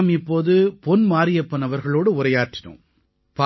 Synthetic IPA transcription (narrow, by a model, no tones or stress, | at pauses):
mɪpːoːðɯpɔnmaːɾɪjɐpːɐnɐʋɐɾɣɐɭoːɽɯʊɾɐjaːʈːɪnɯ̰̃m | pa